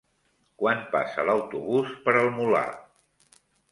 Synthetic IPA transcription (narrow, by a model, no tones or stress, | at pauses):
kwanpa̰sə̰ləwt̪uβuspəɾəlˠmula̰